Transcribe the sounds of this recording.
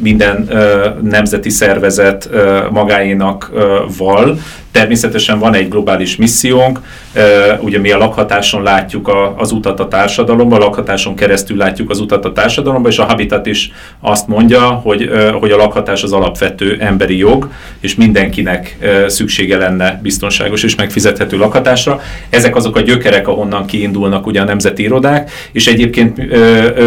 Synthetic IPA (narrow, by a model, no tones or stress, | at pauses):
mind̪ɛnøːɛmzɛt̪isɛrvɛzɛt̪ːmɒɡaːjinɒkvɒl | t̪ɛrmeːsɛt̪ɛʃɛɱvɒnɛɟɡlo̞baːliʃmisːijoːŋkː | uɟɒmiɒlɒkhɒt̪aːʃo̞nlaːcːukɒːzut̪ɒt̪ɒt̪aːrʃɒd̪ɒlo̞mbɒlɒkhɒt̪aːʃo̞ŋkɛɾɛst̪ylːaːcːukɒzut̪ɒt̪ɒt̪aːrʃɒd̪ɒlo̞mbɒeːʃɒɦɒbit̪at̪iʃ | ɒst̪mo̞ɲɟɒho̞ɟho̞ɟɒlɒkhɒt̪aːʃɒzɒlɒpʋɛt̪øːʔɛmbɛɾijoɡ | eːʃmind̪ɛŋkinɛkːsykʃeːɡɛlɛnːɛbist̪o̞nʃa̰ːɡo̞ʃeːʃmɛkfizɛt̪hɛt̪øːlɒkhɒt̪aːʃrɒ | ɛzɛkɒzokɒɟø̞kɛɾɛkɒɦo̞nːɒŋkiːnd̪ulnɒkuɟɛːnɛmzɛt̪iiɾo̞d̪aːk | eːʃɛɟeːp̚keːnt̪ø